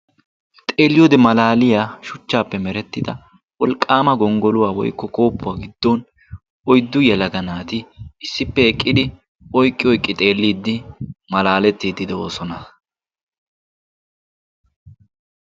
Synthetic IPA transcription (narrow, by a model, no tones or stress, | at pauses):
t̪ʼe̞ːlːɪjoːd̪ɛmɐlaːlɪjaːʃʊt͡ʃːaːpːɛmɛɾɛt̪ːɪd̪ɐ̰ | wɔlkʼːaːmɐɡɔŋɡɔlʊwaːwɔ̰jkːɔko̞ːpːʊwaːɡɪd̪̥ːon | ɔjd̪ːʊjɛlɐɡɐnaːt̪ɪɪsːɪpːɛɛkʼːɪd̪ɪ | ɔjkʼːɪɔjkʼːɪt̪ʼe̞ːlːiːd̪ːɪmɐlaːlɛt̪ːiːd̪ɪd̪ɛoːsɔnɐ